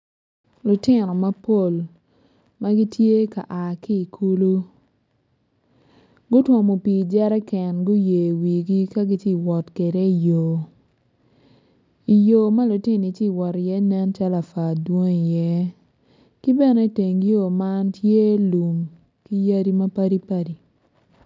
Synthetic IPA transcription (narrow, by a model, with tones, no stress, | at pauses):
lʊ˨tɪ˦nɔ˨ma˦po˨l | ma˦ɡi˦tje˦ka̰˨ʔa˨ki˦˨kʰu˦lu˦ | ɡʊ˦twɔ˨mo˨pi˨d͡ʒɛ˦ɾɛ˦kɛ˨nɡʊ˦je˨wi˨ɡi˦ka˦ɡi˦ti˦˨wɔ˨tke˨ɾe˦i˨joː˨ | i˨jo˨ma˦lʊ˨tɪ˦ni˨t͡ʃi˦˨wɔ˨ɾjɛ˦nɛ˦nt͡ʃa˦la˨fa˨dwo˦ŋi˨jɛ˦ | ki˦bɛ˦˨nɛ˨˦te˨ŋjo˦˨ma˦ntje˦lu˨m | ki˦ja˦ɾi˦ma˦pa˦ɾi˦pa˦ɾi˨